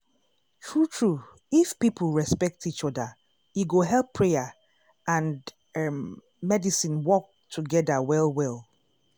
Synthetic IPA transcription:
tʰɹutʰɹu | ifpipʰl̩ˠɹɛspɛk̚tit͡ʃɔðə | iɡoɦɛlˠpʰːɹejə | ãn | mɛdisĩnwɔk̚tʰuɡɛðəwɛlwɛlˠ

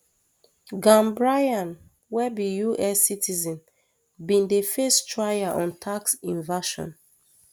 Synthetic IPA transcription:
ɡãmbɹajãn | wɛbijuʔɛsːitʰizɛ̃n | bĩndefestɹajaʔɔ̃ntʰaksĩnvaʃɔ̰̃n

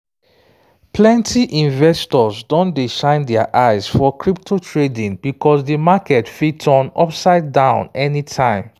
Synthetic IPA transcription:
pʰlɛ̃ntʰiʔĩnvɛstɔzdɔ̃ndeʃãɪ̃ndɛaʔaɪsfɔkʰɹip̚tʰotʰɹedĩŋbikɔsdəmakɛtfitʰɔ̃nɔpsaɪdːãʊ̃nɛnitʰãɪ̃m

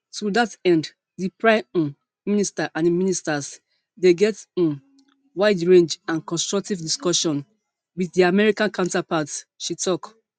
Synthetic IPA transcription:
tudatɛ̃nd | dipɹãɪ̃m̃ | ministaʔãniministas | deɡɛtĩn | waɪdɹẽnd͡ʒãnkɔ̃nstɹ̥ɔk̚tivdiskɔʃɔ̃n | wiθdiamɛɹikãnkʰãʊ̃ntapatʃitɔk

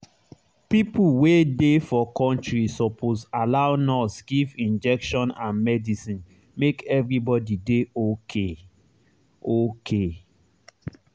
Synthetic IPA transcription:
pipuwedefɔkɔ̃ntɹisɔpʰosalaʊnɔsɡivĩnd͡ʒɛkʃɔ̃nãnmɛdisĩn | mekɛvɹibɔdideokʰe | okʰe

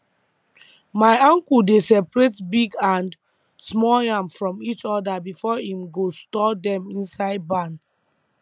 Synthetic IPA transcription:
maɪɔ̃ŋkudesɛpɹetbiɡãn | smɔljãmfɹɔ̃mit͡ʃɔdabifɔhĩmɡostɔdɛ̃mĩnsaɪd̚bãn

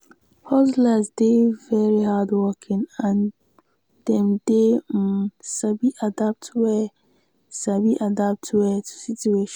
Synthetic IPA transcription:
hɔzlazdevɛɹihadwɔkʰɪ̃ŋãn | d̥ɛ̃mde | sabiʔadap̚tʰwɛ | sabiʔadap̚tʰwɛtʰu̥situeʃ

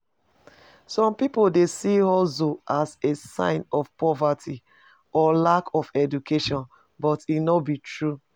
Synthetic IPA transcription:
sɔ̃mpipodesiɔzoʔazesã̰ɪ̃nɔfpɔvatʰi | ɔlakɔfɛdukʰeʃɔ̃n | bɔtinɔbitʰɹu

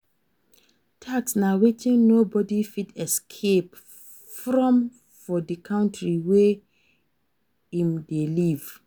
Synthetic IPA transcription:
tʰaksnawetĩŋnobɔdifitɛskʰep | fɹɔ̃m | fɔdikʰãʊ̃ntʰɹiwe | ĩmdeliv̥

